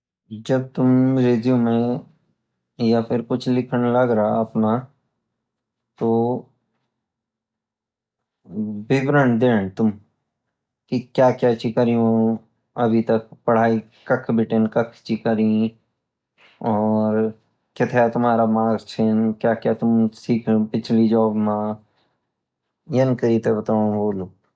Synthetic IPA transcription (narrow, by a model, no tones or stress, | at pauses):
d͡ʒɐb̚t̪ʊmɾeːd̪ijõmẽ | japʰɪɾkʊt͡ʃʰlɪkʰəɽ̃lɐɡɾaɦaɐpna | t̪oː | bɪbɾəɳd̪eːɽ̃t̪ʊm | kikjaːkjat͡ʃikəɾiɦõ | ɐbʱit̪ɐk̚pɐɽ̤aːi | kɐkʰbʱɪʈenkɐkʰt͡ʃikəɾĩ | ɔːɾ | kɪt̪ʰet̪ʊmɦaːɾamaːɡt͡ʃʰenkjaːkjat̪ʊmsiːkʰõpɪt͡ʃʰlid͡ʒɔːbmã | jɐnkəɾiːt̪ebɐt̪ãːɦoːlup̚